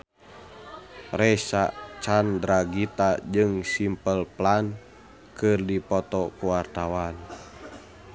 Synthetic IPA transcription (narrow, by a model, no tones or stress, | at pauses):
rɛsat͡ʃandɾaɡit̪ad͡ʒɨŋsimpəlplan | kɨrdipɔt̪ɔkuwart̪awan